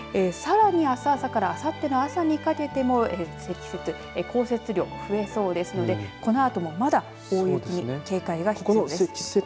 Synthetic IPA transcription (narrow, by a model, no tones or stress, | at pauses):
esaɾaɲ̟iasaːsakaɾaːsat̪ːe̞noasaɲ̟ikake̞t̪e̞mo̞esekʲi̥set͡sɨ | eko̞ːse̞t͡sɨɾʲo̞ːɸɯ̟e̞so̞ːd̪e̞sɨno̞d̪e̞ko̞no̞at̪o̞mo̞mad̪ḁ | o̞ːjɯkʲiɲ̟ike̞ːkaiɡaçi̥iod̪e̥e